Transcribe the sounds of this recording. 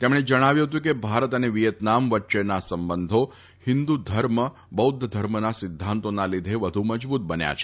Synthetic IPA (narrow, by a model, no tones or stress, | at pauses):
t̪emɽ̃ed͡ʒəɽ̃aʋjũɦət̪̬jũkebʱaɾət̪əneʋijət̪namʋəʈːʃenasəmbənd̪ʱo | hɪnd̪ud̪ʱəɾmə | bəud̪ʱd̪ʱəɾmənasɪd̪ʱːãnt̪onalid̪ʱeʋəd̪ʱuməd͡ʒbut̪̚bənja̰t͡ʃʰe̥